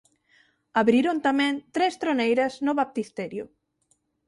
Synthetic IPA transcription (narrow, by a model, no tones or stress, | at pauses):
aβɾiɾont̪amɛ̃nt̪ɾest̪ɾonejɾɐsnʊβap̚t̪ist̪ɛɾjʊ